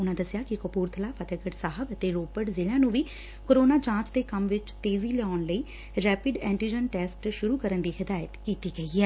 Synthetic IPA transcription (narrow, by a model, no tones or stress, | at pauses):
ʊnãːd̪əsjaːkɪkəpuːɾt̪ʰəlaːpʰət̪ɛɡəʈsaːɦəbət̪eːɾoːpəʈzɪlãːnũːʋiː | koːɾoːnaːt͡ʃãːt͡ʃd̪eːkəmʋɪt͡ʃt̪eːziːlɛaːnləiː | ɾɛːpɪɖɛ̃ːɳʈiːd͡ʒənʈɛːsʈʃʊɾuːkəɾənd̪iːhɪd̪aːjət̪kiːt̪iːɡəiːɛː